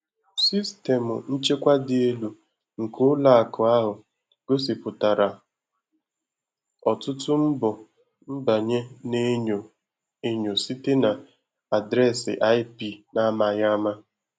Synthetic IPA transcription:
si˦ste˨mʊ˨n̩˦t͡ʃe˦kʷa˦dɪ˨e˦lu˨ | ŋ̩˨kʊ˦la˨a˨kʰʊ˨a˦ɦʊ˨ | ɡ̥o˦s̬i˨pʊ˨ta˨ɾa˨ | ɔ˨tʊ˦tʊ˦m̩˦bɔ˨ | m̩˦ba˨ɲe˦ne˦ɲo˨ | e˦ɲo˨si˦te˦na˨ | a˨dɾɛ˦˨sɪ̰˨ʔa˦jpi˦˨na˦ma˨ja˦ma˦

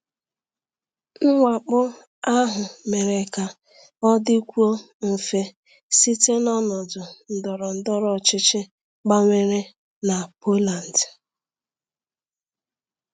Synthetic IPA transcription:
ŋ̩˦ŋʷa˨k͡pʊ˦ | a˦ɦʊ˨me˨ɾe˨ka˨ | ɔ˦dɪ˦kʷu˦o˦ | m̩˨fe˦ | si˦te˦nɔ˦nɔ˨dʊ˨n̩˨dɔ˨ɾɔ˨n̩˦dɔ˦ɾɔ˦˨t͡ʃɪ˦t͡ʃɪ˦ | ɡ͡ba˦ŋʷe˦ɾe˦ | na˨po˦la˨n̩˨d

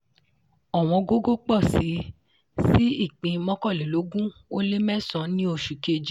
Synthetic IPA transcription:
ɔ˨w̃ɔ̃˧ɡo˦ɡo˦k͡pɔ˦˨si˨˦ | si˦i˦˨k͡pĩ˧mɔ̃˦kɔ˦˨le˨lo˨˦ɡũ˦o˦le˦mɛ˦sɔ̃˨˧˦nĩ˦o˦˧˨ʃu˨ke˧d͡ʒi˦

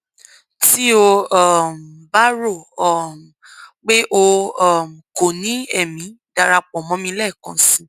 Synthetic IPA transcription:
ti˦o˧˦˨m̩˨ba˦ɾo˦˨ɔ˦˨m˨k͡pe˦ʔo˧ɔ˨m̩˨ko˨nĩ˨˦ɛ˦˨mĩ˨˦ | d̥a˧ɾa˧k͡pɔ̃˨mɔ̃˨˦mĩ˧˦lɛ˦˨kɔ̃˨sĩ˨˧

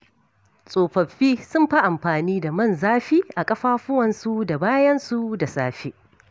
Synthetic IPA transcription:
sʼoː˨ɸɐ˨ɸːiː˦sʊ˦mɸa˦ʔa˨mɸaː˨niː˦da˨mɐ˦˨nzaː˦ɸiː˦ʔa˨kʼɐ˦ɸaː˦ɸʊ˦wɐ˨nsu˦da˨baː˦jɐ˦nsu˦da˨saː˦ɸi˦ʔ

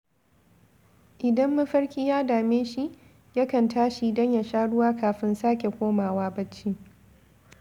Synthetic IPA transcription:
ʔɪ˨dɐ˦mːɐ˦ɸɐ˦ɽkʲiː˦jaː˦daː˨meː˦ʃi˦ʔ | ja˦kɐ˨ntaː˦ʃi˦dɐ˦ɲja˨ʃaː˦ɽʊ˦waː˦kaː˨ɸɪ˦nsaː˦kʲe˨kʷoː˦maː˨waː˦bɐ˦t͡ʃːi˦

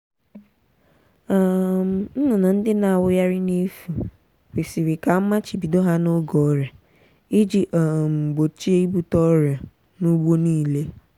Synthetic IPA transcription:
a˦˨m̩˨n̩˦nʊ˨na˨n̩˦dɪ˦na˨a˨wʊ˦ja˦ɾɪ˦ne˦fu˨ | wi˨si˨ɾi˨ka˨m̩˦ma˦t͡ʃi˨bi˨do˦ɦa˦no˦ɡɔ˨˦ɾja˨ | i˦d͡ʒi˦ʔa˨m̩˨ɡ͡bo˨t͡ʃi˦e˦i˦bu˦tɔ˦ɾja˨ | nu˦ɡ͡bo˦niː˦˨le˦

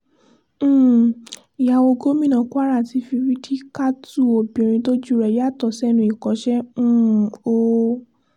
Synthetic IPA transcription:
i˨ja˨wo˧ɡo˦mĩ˦˨nã˧˨ku˦a˦ɾa˦˨ti˧˦fi˧wi˦di˦ka˦tu˦˨o˨bĩ˨ɾ̃ĩ˧to˦d͡ʒu˦˨ɾɛ˨˧˨ja˦˨tɔ˨sɛ˦nũ˧i˨kɔ˨˦ʃɛ̃˦˨o˧

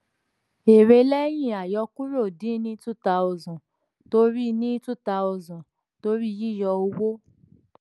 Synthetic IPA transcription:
e˨ɾe˧lɛ˦j̃ĩ˦˨a˨jɔ˧ku˦ɾo˦˨dĩ˨˦nĩ˦tu˦ta˧o˧zɔ̃˨ | to˦ɾi˦˧nĩ˦tu˦ta˧˦u˧zɔ̃˨ | to˦ɾi˦˧ji˦˨jɔ˧o˧wo˦

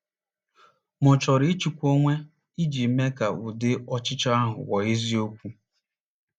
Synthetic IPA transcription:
mʊ˨t͡ʃɔ˨ɾɪ˦t͡ʃi˨kʷo˦ŋʷe˦ | i˦d͡ʒi˨˦me˦ka˨ʊ˨dɪ˦ɔ˦t͡ʃɪ˦t͡ʃa˦a˦ɦʊ̰˨wɔ˨e˦zi˦o˦kʷu˦

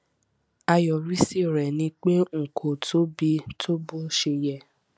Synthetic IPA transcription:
a˧jɔ˨ɾi˦si˦˨ɾɛ˨nĩ˧˦k͡pe˦ŋ̩˨kʰo˨tʰo˦bi˧tʰo˦bo˦ʃe˧jɛ˧˨

